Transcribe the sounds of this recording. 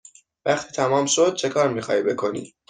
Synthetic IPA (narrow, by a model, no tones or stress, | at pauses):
væχt̪ʰiːt̪ʰæmɒːmʃod̪̚t͡ʃʰe̞kʰɒːɾmiːxɒ̰ːhiːbe̞kʰo̞nḭː